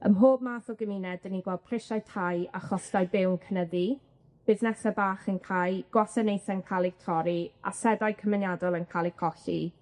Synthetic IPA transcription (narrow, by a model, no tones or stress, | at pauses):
əmɦoːb̚maːθɔɡəminɛdəniɡwɛlˠd̚pʰr̥ɪʃajtʰajaχɔsd̥ajbɪwnkʰənəði | b̥ɪðnɛsabaːχənkʰajɡ̥wasɛnejθɛnkʰalˠiɡ̥̚tʰɔɾia̰sɛdajkʰəmɪnjadɔlˠənkʰaːlˠikʰɔɬi